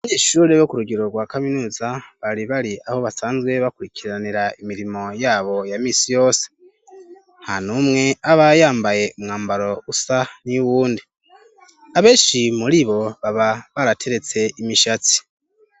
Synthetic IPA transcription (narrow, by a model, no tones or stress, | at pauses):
aβaɲeːʃuːɾeβokuɾuɡiɾo̞ɡwaːkaminuːzaβaɾiβaɾiʔaho̞βasaːnzɡwe̞βakuɾikʰiɾaniɾaimiɾimo̞jaːβo̞jamiːsijo̞ːse̥ | hanumŋe̞aβajaːmbaje̞umŋaːmbaɾo̞usaniuβuːndi | aβe̞ːnʃimuɾiβo̞βaβaβaɾatʰe̞ɾe̞t͡se̞imiʃat͡si̥